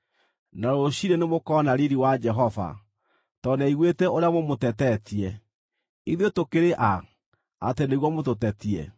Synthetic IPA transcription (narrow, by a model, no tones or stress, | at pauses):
naɾoɕiɾenemokɔnaɾiɾiwad͡ʒɛɦɔva̰ | tɔnaiɣwetɛoɾeamomotɛtɛtiɛ | iðjotokeɾeʔa | a̰teneɣwɔmototɛtiɛ̰